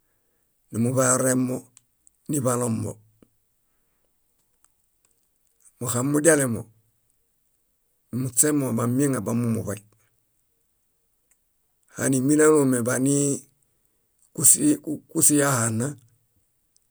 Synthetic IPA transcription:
nimubajoɾemːo | nibalombo̰ | muhamːuɟalemo̰ | nimut͡semːobameŋabamumṵbaj | ha̰nimilalomebani | kuskusijahanːa

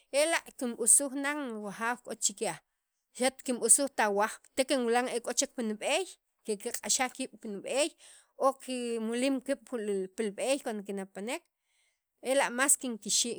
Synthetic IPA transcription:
elaʔkimɓusuxnaŋwaχaːwkʼot͡ʃikea | ʃat̪kimɓusuxt̪awaχpt̪ekenwilaŋekʼot͡ʃek̚pinɓej | kekiqʼaʃaχkiːɓ̥pinɓej | okimuliːmkiɓ̥pilɓejkwand̪okinapanek | elaʔmaskiŋkiʃiːʔ

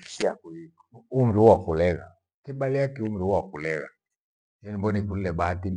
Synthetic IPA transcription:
kia̰kui | um̩ɾuwakulɛɣa̰ | kibaliakium̩ɾuwakulɛɣa̰ | jɛnimbɔnikulilɛbaati

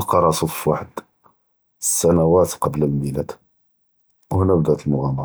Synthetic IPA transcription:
lqɑɾˤɑsˤut̪ˤfwaħəd̪ | sːænæwæt̪qɑbləlmilæd̪ | whnæbd̪æt̪əlmʊɣæmɑɾˤɑ

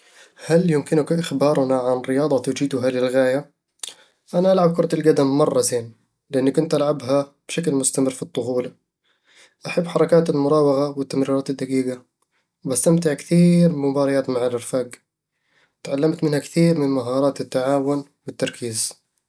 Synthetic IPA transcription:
haljɪmkɪnʊkʔɪxbɑːɾˤʊnaʕanɾɪjɑːd̪ˤɑt̪ud͡ʒiːt̪ʊɦalɪlɣaːja | ʔanaʔalʕab̚kʊɾˤɑt̪alɡad̪amːɑrˤːɑzeːn | lɪʔanːakʊnt̪ʔalʕabɦab̥ʃaklmʊst̪amɪrːfit̪ˤːʊxuːla | ʔaħabːħɑɾˤɑkaːt̪ɪlmʊɾˤɑːwɑɣawɪt̪ːamɾiːɾɑːt̪ɪd̪ːaɡiːɡa | wbast̪amt̪ɪʕkθiːɾmʊbɑːɾˤɑjaːt̪maʕalʔɪɾfaːɡ | t̪ʕalːamt̪mɪnhakθiːɾmɪnmaɦɑːɾˤɑːt̪ɪt̪ːaʕaːwʊnwɪt̪ːɑɾˤkʰiːz

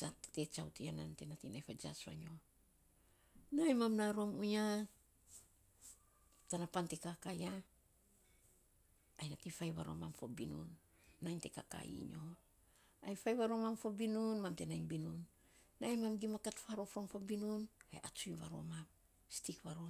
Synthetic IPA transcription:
satte̞t͡ʃawtianante̞natinajfad͡ʒasβa̰ɲo̞ | najmamnaɾo̞muɲa | tanapante̞kakaja | jnatifajβaɾomamfo̰binṵnː | ajnte̞ka̰ka̰ḭɲo̞ | ajfajβaɾomamfobinunmamte̞najnbinunː | ajmamɡimakatfaɾofomfobinunhḛʔat͡ʃuiβa̰ɾo̰mam | stikβaɾo

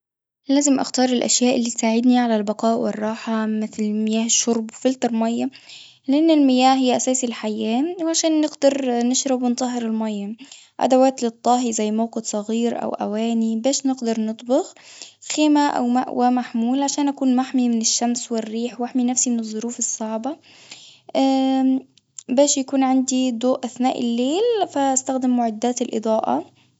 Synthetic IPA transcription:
læːzɪmʔa̰xt̪ɑːɾˤɪlʔa̰ʃjæːʔɪlːiːt̪saːʕɪd̪niʕalalbɑqɑːʔwɪ̰rˤːɑːħamɪθlmɪjæːhɪʃːʊɾˤbwfɪlt̪ɑɾˤmɑjːɑ | lɪʔɪnːɪlmɪjæːhɦɪjːʔæsæːsilħajːæːwʕaʃæːnːɪɡd̪ɑɾˤnɪʃɾɑbwɪnt̪ˤɑɦɪɾɪlmɑjːɑ | ʔa̰d̪awaːt̪lɪt̪ˤːɑːɦizæjːmawqɪt̪sˤɑɣiːɾʔa̰wʔæ̰wæːnibeːʃnɪɡd̪ɑɾˤnɨt̪ˤbɪxxeːmaʔa̰wma̰ʔwʔamaħmuːlʕaʃaːnʔakuːnmaħmimɪnɪʃːamswɪrːiːħwaħminafsimɪnɨðˤːʊɾuːfɨsˤːɑʕba | ʔa | beːʃjakuːnʕand̪id̪oːʔʔaθnaːʔɪ̰lːeːlfaʔast̪axd̪ɪmːʊʕɪd̪ːaːt̪ɪlʔɨ̰d̪ˤɑːʔɑ̰

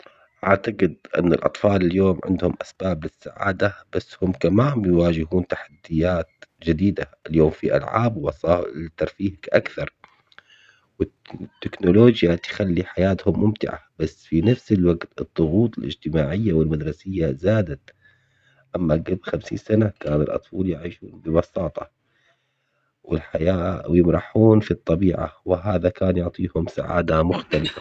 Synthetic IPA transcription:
ʔaʕt̪aqɪd̪̚ʔɪ̰nːɪ̰lʔɑ̰t̪ˤfɑːlɪljoːmʕɪ̰nd̪hʊmʔasb̥aːblɪsːaʕa̰ːd̪ab̥asːhʊmkamaːmbjwaːd͡ʒɪɦuːnt̪aħad̪ːɪjːaːt̪d͡ʒɪd̪iːd̪aɪljoːmfiʔa̰lʕa̰ːbwɑsˤɑːt̪ːɑɾˤfiːhakʔa̰kθɑɾˤ | wɪ | t̪ːɪknʊloːd͡ʒjat̪xalːiħajaːt̪hʊmːʊmt̪ɪ̰ʕa̰b̥asːfinafsɪlwaɡt̪ɨd̪ˤːʊɣuːt̪ˤɪlʔɪ̰d͡ʒt̪ɪmaːʕɪjːawɪlmad̪ɾˤɑsɪjːazaːd̪at̪ | ʔamːaɡablxamsḭːnsanakaːnɪ̰lʔɑ̰t̪ˤfɑːljɪʕiːʃuːnbɪbɑsɑːt̪ˤɑ | wɪ̰lħajaːjɪmɾˤɑħuːnfit̪ˤːɑbiːʕa̰wɪɦaːðakaːnjʊʕt̪ˤiːhʊmsa̰ʕa̰ːd̪amʊxt̪alɪfa

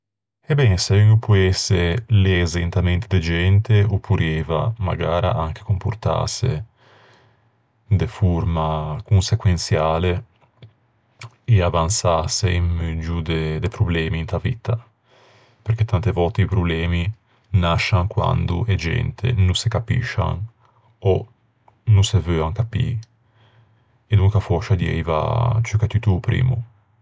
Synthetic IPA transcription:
ɛbɛnseiupʰuɛseleːzeint̪ament̪ed̪ed͡ʒɛnt̪eopʰːuɾɛːva̰ma̰ɡaːɾa̰ʔaŋke̥kompurt̪a̰sḛ | d̪efuɾmakunsekwensjaːle | eavansaseimmød͡ʒud̪ed̪epɾublɛːmiːnt̪avit̪a | peɾket̪ant̪evɔlt̪eipɾublɛːmi | naʃaŋkwa̰nd̪ṵʔed͡ʒɛ̰nt̪ʰḛnusekapḭʃa̰ŋ | ɔ | nusevøaŋkapḭː | ed̪uŋkafɔʃad̪iɛ̰jva̰t͡ʃokɛt̪ːyt̪upɾḭːmṵ

